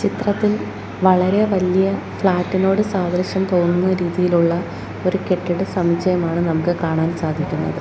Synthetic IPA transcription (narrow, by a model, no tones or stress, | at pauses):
t͡ɕit̪rɐt̪ːil | ʋɐɭɐɾe̞ʋɐlijɐ | fɭaːtːino̞ːɽɨsaːd̪ʱrɐɕjɐmt̪o̞ːnːunːɐɾiːðijiluɭːɐ | o̞ɾuke̞ʈːiɽɨsɐmit͡ɕːɐjɐmaːɳɨnɐmukːɨkaːɳaːnsaːd̪ʱikʲːunːɐ̰ðɨ